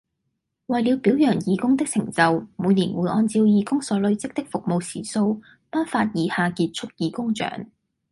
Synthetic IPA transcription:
wɐ˨jli˨˧wpiː˨˥wjœː˨˩ŋjiː˨˧kʊ˥ŋt̪ɪ˥k̚sɪ˨˩ŋt͡sɐ˨wmuː˨˧jniː˨˩nwuː˨˧˥jʔɔː˧nt͡siː˧wjiː˨˧kʊ˥ŋsɔː˨˥lɵ˨˧ɥt͡sɪ˥k̚t̪ɪ˥k̚fʊ˨k̚mo˨wsʰiː˨˩so˧w | paː˥nfaː˧t̚jiː˨˧haː˨˧kiː˧t̚t͡ʃʰʊ˥k̚jiː˨˧kʊ˥ŋt͡ʃœ̰ː˨˥ŋ

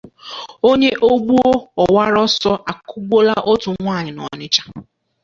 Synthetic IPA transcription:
o˦ɲe˦ʔo˦ɡ͡bu˦o˦ɔ˨wa˦ɾɔ˦sɔ˦ʔa˨kʊ˦ɡ͡bo˦la˦ʔo˦tʊ˨ŋʷa˦˨ɲɪ˨nɔ̰˨nɪ˦t͡ʃḁ˦

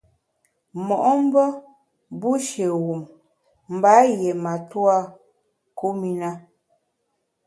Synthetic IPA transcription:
mɔ˨ʔɔ˦m̩˦bə˦ | bu˦ʃe˨wu˨m | m̩˨ba˨˦je˨ma˨tu˦a˦ | ku˦mi˦na˦

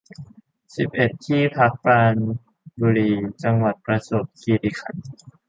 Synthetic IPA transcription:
si˨˩p̚ʔe˨˩t̪ʰːiː˥˩pʰa˦˥k̚paː˧n | buː˧ɾiː˧t͡ɕa˧ŋwa˨˩t̪̚pɾa˧so˨˩p̚kʰiː˧li˧kʰa˨˩˦n

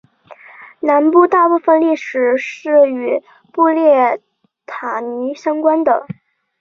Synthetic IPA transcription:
na˧˥npu˥˧t̪a˥˧pu˥˧fə˧nli˥˩ʂɻ̩˨˩ʂɻ̩˥˩y˨˩ | pu˥˧ljɛ˥˩ | t̪ʰa˨˩ni˧˥ɕɑ˥ŋkwa˥nd̪ə˨

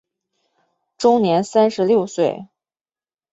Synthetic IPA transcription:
ʈ͡ʂʊ˥ŋnjɛ˧˥nsa˥nʂɻ̩˧˥ljo˥˧ʊswe˥˩ɪ

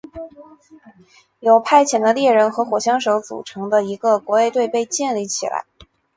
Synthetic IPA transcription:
jo˨˩ʊpʰa˥˩ɪt͡ɕʰjɛ˧˩nd̪ə˧ljɛ˥˩ɻə˧˥nxɤ˧˥xwɔ˨˩ɕjɑ˥ŋʂo˧˥ʊt͡sṵ˨˩ʈ͡ʂʰɤ˧˥ŋd̪ə˧i˧˥ɡə˧kwɔ˧˥e˥˧ɪt̪we˥˧ɪpe˥˧ɪt͡ɕjɛ˥˧nli˥˩t͡ɕʰḭ˨˩la̰˧˥ɪ

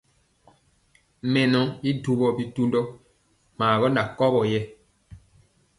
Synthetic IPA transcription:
mɛ̃˨nɔ̃˨i˦du˨bɔ˨bi˨tu˦ndɔ˦ | maː˨ɡɔ˦na˨kɔ˦bɔ˨jɛ˦

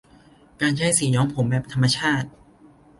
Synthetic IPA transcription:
kaː˧nt͡ɕʰa˦˥˩jsiː˩˦ɲɔː˦˥ŋpʰo˩˦mbɛː˨˩p̚t̪ʰa˧mːa˧t͡ɕʰaː˥˩t̪̚

